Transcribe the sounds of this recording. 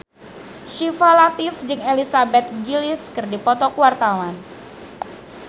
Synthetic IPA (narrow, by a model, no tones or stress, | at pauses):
ʃifalat̪ɪfd͡ʒɨŋelisabɛt̪̚ɡilɪskɨrdipɔt̪ɔkuwart̪awan